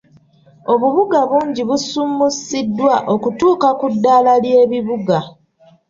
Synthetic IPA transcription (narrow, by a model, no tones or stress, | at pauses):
o̞βuβuɡaβuːɲɟiβusumusidːwaʔo̞kutuːkakudːaːlalje̞ːβiβuɡa